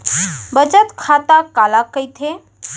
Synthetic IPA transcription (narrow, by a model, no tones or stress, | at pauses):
bət͡ʃət̪kʰat̪akalakəjt̪ʰe